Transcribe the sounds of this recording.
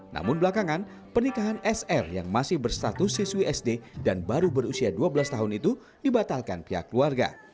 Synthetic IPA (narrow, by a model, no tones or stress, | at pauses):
nʔa̰mʊnbəlakaŋan | pərnikaɦanɛsɛrja̰ŋmasɪhbərst̪at̪ʊsisuwiɛsdedanbaɾubərusiaduabəlast̪aɦʊnit̪u | dibat̪alka̰npiɦa̰kːluarɡa̰